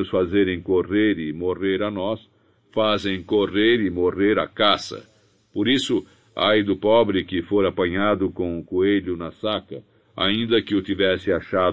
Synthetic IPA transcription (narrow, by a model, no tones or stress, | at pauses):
ʊsfazeɾẽj̃koreɾɪmoreɾanɔs | fazẽj̃koreɾɪmoreɾa̰kasɐ̰ | poɾisʊ | a̰jd̪ʊpɔbɾɪkɪfoɾapɐɲad̪ʊkõʊkueʎʊnɐsakɐ̰ | a̰ĩnd̪ɐkɪʊt̪ivɛsɪaʃa